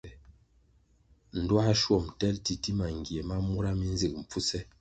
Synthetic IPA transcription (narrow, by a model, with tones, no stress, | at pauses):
n̩˨dwa˦ʃwɔ˦˨mtɛ˦lti˨ti˦ma˨ŋɡje˨ma˦mu˦ɾa˦mi˦n˦zi˨k̚m̩˨p͡fu˦sɛ˦